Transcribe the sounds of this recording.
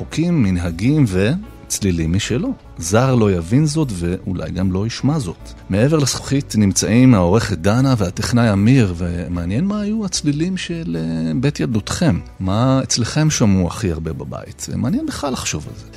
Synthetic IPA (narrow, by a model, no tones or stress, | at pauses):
χokʰimːinɦaɡimve̞ | t͡slilimːiʃelo̞ | zaʁlo̞javinzo̞tveula̰jɡamlo̞iʃmazo̞t | mee̞ve̞ʁlesχo̥χitnimt͡saʔimao̞ʁe̞χet̚danaveatiχnajamiʁvemeanjenmaːjuat͡slilimʃelebe̞tjaldutχe̞mːaet͡sleχe̞mʃamua̰χiaʁbe̞baba̰ḭtḛmanjenbeχlalhaχʃo̞va̰lze̞